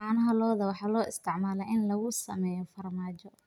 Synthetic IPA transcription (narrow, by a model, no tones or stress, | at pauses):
ɑːnɐɦɐlɔːðɐwɑħɑːlɔːɪst̪ʰɪʕmaːlɛʔɪnlɐɣʊsɐ̰mɛːjɔfɐrmaːt͡ʃɔ